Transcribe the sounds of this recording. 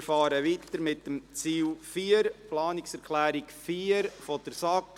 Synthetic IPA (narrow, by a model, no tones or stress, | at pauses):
fɑːɾəʋit̪əɾmɪtːəmt͡siːlfiːəɾplɑːnɪksɛɾkʰlæːɾikfiːəɾfɔd̥əɾsɑk